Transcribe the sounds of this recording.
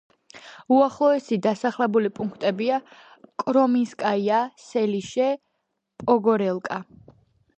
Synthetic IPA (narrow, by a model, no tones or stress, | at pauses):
uaχlˠɔɛsid̪asaχlɛbulipʼuŋkʰt̪ʼɛbia | kʼɾɔminskʼaiasɛliʃɛ | pʼɔɡɔɾɛlˠkʼa